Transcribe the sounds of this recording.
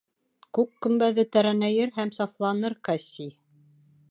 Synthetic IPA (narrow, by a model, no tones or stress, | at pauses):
kʉkːɵ̆mbæðɘt̪æɾænæjɘɾɦæmsɑflˠɑnɤɾkɑsʲi